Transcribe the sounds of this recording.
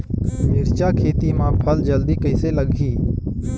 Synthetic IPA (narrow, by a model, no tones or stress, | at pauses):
mɪɾt͡ʃakʰeːt̪imãpʰəld͡ʒəld̪ikəɪseləɡʱiː